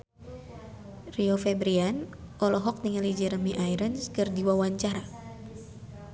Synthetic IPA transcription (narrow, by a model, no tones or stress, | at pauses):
riofɛbɾianʔɔlɔɦɔk̚niŋalid͡ʒəɾəmiʔajɾənskɨrdiwawaɲt͡ʃaɾa